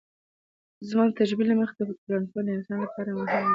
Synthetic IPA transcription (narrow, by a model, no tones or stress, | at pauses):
zmɑt̪aʒbiləməxd̪əuɾankod̪əɪnsɑnlapɑɾamʊɦɪm